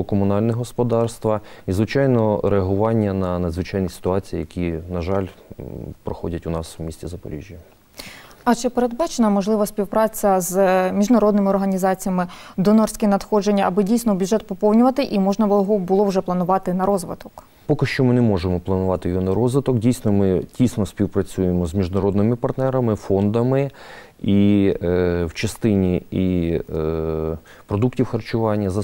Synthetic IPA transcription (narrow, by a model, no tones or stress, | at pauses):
kɔmʊnɑlʲnɛɦɔspɔd̪ɑrst̪ʋɐizʋɪt͡ʃɑjnɔɾeɐɦʊʋɑnʲːɐnɐnɐd̪zʋɪt͡ʃɑjnisʲɪ̥t̪ʊɑt͡sʲijḭjɐkʲinɐʒɑlʲpɾɔxɔ̰dʲɐtʲʊnɑswmʲisʲt͡sʲizɐpɔ̰ɾʲḭʒʲjɐ | ɐt͡ʃɛpeɾed̪̚bɑt͡ʃenɐmɔʒlˠɪʋɐsʲpʲiwpɾɑt͡sʲɐzmʲiʒnɐɾɔd̪̚nɪmɪɔrɦɐnʲizɑt͡sʲijɐmɪd̪ɔnɔrsʲkʲɛnɐd̪xɔd͡ʒenʲːɐɐbɪdʲijsnɔbʲʊd͡ʒɛt̪̚pɔpɔwnʲʊʋɐt̪ɪʔimɔʒnɐɦɔbʊlˠɔwʒɛplˠɐnʊʋɑt̪ɪnɐɾɔzʋɪ̰t̪ɔ̥k | pɔkɪʃt͡ʃɔmɪnɛmɔʒemɔplˠɐnʊʋɑt̪ɪjjɔnɐɾɔzʋɪt̪ɔkdʲijsʲnɔmɪtʲijsnɔsʲpʲiwpɾɐt͡sʲujemɔzmʲiʒnɐɾɔd̪nɪmɪpɐrt̪nɛɾɐmɪfɔnd̪ɐmɪ | i | wt͡ʃɐst̪ɪnʲii | pɾɔd̪uktʲiwxɐrt͡ʃʊʋɑnʲːɐzɐ